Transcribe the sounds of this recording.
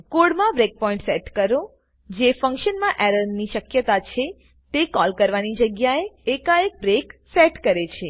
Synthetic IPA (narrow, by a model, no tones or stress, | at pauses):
koɽmãbɾek̚pɔĩɳʈsɛʈkəɾo | d͡ʒefə̃ŋkʃənmãʔɛɾənniʃəkjət̪at͡ʃʰe | t̪ekɔlkəɾʋanid͡ʒəɡjaeːkaek̚bɾeksɛʈkəɾet͡ʃʰe